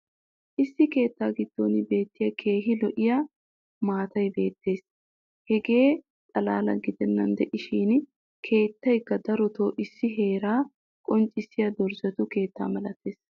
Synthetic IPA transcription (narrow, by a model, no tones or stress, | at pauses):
ʔɪsːɪke̞ːt̪ːaːɡɪd̪̥ːo̰ːnɪbe̞ːt̪ːɪjɐkʰe̞ːɦɪlɔʔɪja | maːt̪ɐjbe̞ːt̪ːe̞ːs | hɛɡe̞ː | t̪ʼɐla̰ːlɐ̰ɡɪd̪ɛnːɐnd̪ɛʔɪʃiːn | kʰe̞ːt̪ːɐjkːɐd̪ɐɾɔt̪oːʔɪsːɪɦe̞ːɾaː | kʼɔnt͡ʃʼːɪsːɪjɐd̪ɔɾzɐt̪ʊke̞ːt̪ːa̰ːmɐlɐt̪ːe̞ːs